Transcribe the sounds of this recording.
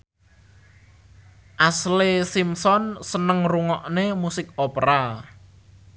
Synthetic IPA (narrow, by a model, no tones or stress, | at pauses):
ʔaslesimsɔnsənəŋruŋɔʔnemusɪk̚opɾa